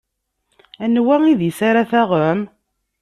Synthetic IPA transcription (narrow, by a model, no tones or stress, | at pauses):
ænwæŋiðjisaɾaθæʁəm